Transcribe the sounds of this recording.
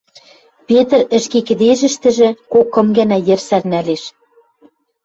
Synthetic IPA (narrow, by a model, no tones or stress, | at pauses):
pet̪ə̆rɘ̆ʃkekɘ̆d̪eʒɘ̆ʃt̪ɘ̆ʒɘ̆kokːɤ̆mɡænæjɘ̆rsærnæleʃ